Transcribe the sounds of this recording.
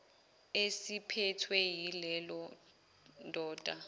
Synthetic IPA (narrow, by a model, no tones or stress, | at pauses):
esipʰɛtʰwɛjilɛlɔ | ndʱɔːd̥ʱa